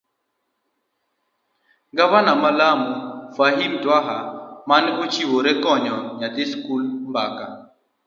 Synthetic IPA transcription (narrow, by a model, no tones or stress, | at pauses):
ɡavanamalamufaɦimtwaɦamanɡut͡ʃiwoɾɛkɔɲɔɲatɪskulmbaka